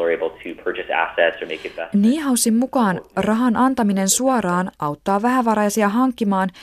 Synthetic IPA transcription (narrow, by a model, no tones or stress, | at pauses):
ə˞eɪbl̩ˠtʰɨpʰɜ˞t͡ʃɨsæ̰sɛtsə˞meɪkɨt̚b̥ɛniːɦɑwsimːukɑːnrɑɦɑnʔɑnt̪ɑmine̞nsuɑɾɑːnʔɑwt̪ːɑːʋæɦæʋɑɾɑjɑsiɑɦɑŋkːimɑːn